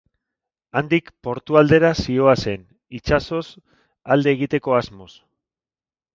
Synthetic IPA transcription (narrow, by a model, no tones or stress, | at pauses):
and̪ikpo̞ɾt̪uald̪e̞ɾasio̞ase̞n | it͡ʃaso̞s | ald̪e̞ːɣit̪e̞ko̞azmo̞s